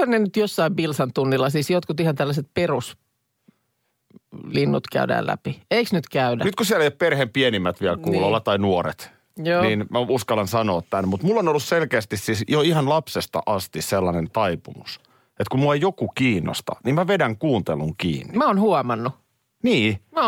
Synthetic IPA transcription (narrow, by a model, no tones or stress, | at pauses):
ɑnnenyt̪josːɑiʋbilsɑnt̪unːilːɑsiːsjot̪kut̪ihɑnt̪ælːæset̪̚perus | linːut̪kæ̰ydæ̰ːlæ̰pieiksnyt̪kæydænyt̪kusiælæjopperhempienimːæt̪ʋiɛlkuːlolːɑt̪ɑinuoɾḛt̪ | joːninmæuskɑlɑnsɑnoːt̪t̪ænmut̪mulːonolːusselkeːst̪issiːsjoihɑnlɑpsest̪ɑ̰ʔɑst̪isselːɑnent̪ɑipumus | et̪kummuejjokukiːnːo̰st̪ɑ̰nimmæʋedæŋkuːnt̪eluŋkḭːnːimæonhuɔmɑnːu | niːmæ